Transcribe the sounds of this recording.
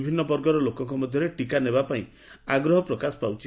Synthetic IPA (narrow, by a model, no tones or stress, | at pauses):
bʱinːɔbɔɾɡɔɾɔlokɔŋkɔmɔd̪ʱjɔɾeʈikanebapaĩ | aɡɾɔɦɔpɾɔkasɔ̥pawt͡ʃi